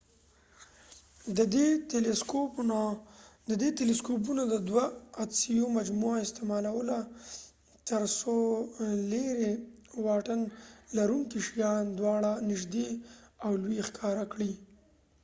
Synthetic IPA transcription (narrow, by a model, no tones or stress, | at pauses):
d̪əd̪eeleskopnad̪əd̪et̪eleskop̬unad̪əd̪waːd̪sijomad͡ʒmuaɪst̪emɑlawəla | t̪əɾsoleɾewɑʈənlaɾuŋkiʃijɑnd̪wɑɽanɪʒd̪eawlwxkʰɑɾakɽi